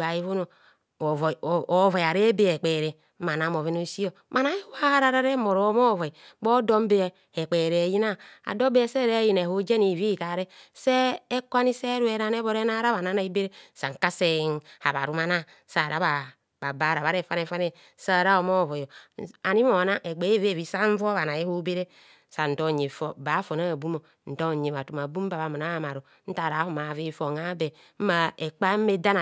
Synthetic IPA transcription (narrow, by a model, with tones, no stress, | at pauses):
a˨ji˦vo˦no˨ | vo˨vo˨ja˨ɾe˦be˦e˨k͡pe˨ɾe˨ | ma˨na˨˦mo˨ve˦no˦si˦o˦˨ma˨na˦i˦wa˦ɾa˨ɾa˦ɾe˦mo˨ɾo˨˦mo˦˨vo˨i˨˦bo˦do˦m˦be˦˨ | e˨k͡pe˨ɾe˨e˨ji˦na˦a̰˨do˦be˦se˦˨ɾe˦ji˨ne˨ho˦d͡ʒe˦ni˨vi˦˨ta˨ɾe˦seː˦kwa˦ni˦se˦ɾu˦e˨ɾa˦ne˦βo˨ɾe˦na˦ɾa˦βa˨na˨˦na˦i˦be˦ɾe˦sa̰˨ŋ˨ka˦se˦˨n˦ha˨βa˨ɾu˦ma˦na˦ | sa˨ɾa˦βa˨ | ba˨ba˦ɾa˨βa˦ɾe˦˨fa˦ne˨fa˦ne˦ | sa˦˨ɾa˦o˨mo˦˨vo˨jo˨a˨ni˦mo˨na˦ʔe˨ɡ͡be˨˦e˦˨ve˦˨vi˨sa˦ɱ̩˦vo˦βa˨na˨je˦ho˦be˦ɾe˦ | sa˨n̩˨to˦˨ɲe˨fɔ˨˦ba˨˦fo˨na˦˨bu˦mo˨ | n̩˨to˦˨ɲe˨βa˨tu˨ma˨bu˦m˦ba˨βa˨mo˨na˦a˨ma˨ɾo˨ | n̩˦ta˨ɾa˨˦hu˨ma˨ve˦˨fo˨ŋa˦be˨ | m̩˦ma˦˨e˨k͡pa˦me˦da˦na˨